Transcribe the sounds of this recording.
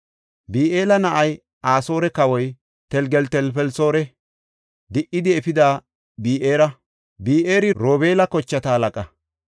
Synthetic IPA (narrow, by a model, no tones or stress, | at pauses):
biːeːlɐnɐʔɐj | aːsoːɾɛkɐwɔj | t̪ɛlɡɛlt̪ɛlfɛlso̞ːɾɛ | d̪ɪʔːɪd̪ɪɛfɪd̪aː | biːʔeːɾɐ | biːʔeːɾɪɾoːbe̞ːlɐkɔt͡ʃːɐt̪ɐhɐlɐkʼɐ